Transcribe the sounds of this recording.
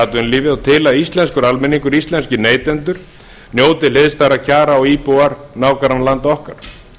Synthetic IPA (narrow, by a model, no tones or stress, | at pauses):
at̪ʏnliːvɪðat̪ʰɪlaðist̪lɛnskʏɾalmɛniŋkʏɾist̪lɛnscɪneːjt̪ɛnt̪ʏɾ̥ | njoːwt̪ɪlheðst̪aɾacʰaːɾaɔiːpowaɾnaːwkaɾanlant̪ɔhkaɾ̥